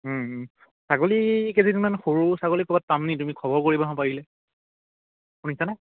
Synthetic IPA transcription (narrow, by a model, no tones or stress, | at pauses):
m̩ | saɡolikezinnmanxoɹusaɡolikɔbat̚ːamnitumikʰɔbɔɹkoɹibaɦɔ̃paɹilɛ | xunisanɛ